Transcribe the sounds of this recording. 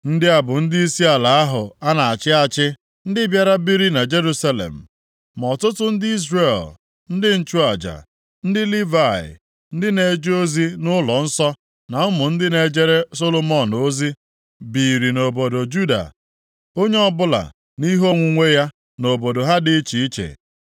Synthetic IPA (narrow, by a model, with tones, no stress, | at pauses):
n̩˦dɪ˦a˨bʊ˨n̩˦di˦i˦si˦a˨la˨a˦ɦʊ˨a˦na˨a˨t͡ʃɪ˦a˨t͡ʃɪ˦ | n̩˦dɪ˦bja˦ɾa˦bi˦ɾi˦na˨d͡ʒe˦ɾu˦sa˦lḛ˨m̩˨ | m˨ɔ˨tʊ˦tʊ˦n̩˦dɪ˦i˦zre˦˨l | n̩˦dɪ˦n̩˦t͡ʃu˦a˨d͡ʒa̰˨ | n̩˦dɪ˦li˦va˦˨ɪ̰˨ | n̩˦dɪ˦ne˨d͡ʒo˦zi˦nʊ˦lɔ˨n̩˦sɔ˦ | na˨ʊ˦mʊ˨n̩˦dɪ˦ne˨d͡ʒe˦ɾe˦so˦lo˦mɔ˦˨no˦zi˦ | bi˨ɾi˨no˨bo˨do˨d͡ʒu˦da̰˨ | o˦ɲe˦ɔ˦bʊ˦la̰˨ | ni˦ɦo˦ŋʷu˨ŋʷe˦ja˦ | no˨bo˨do˨ɦa˦dɪ˦t͡ʃi˨i˦t͡ʃḛ˨